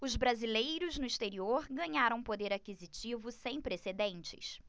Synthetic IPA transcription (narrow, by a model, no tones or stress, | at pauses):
ʊzbɾazilejɾʊznʊist̪eɾioɾɡɐ̃ɲaɾɐ̃w̃pod̪eɾakizit͡ʃivʊsẽj̃pɾesed̪ẽnt͡ʃɪ̰s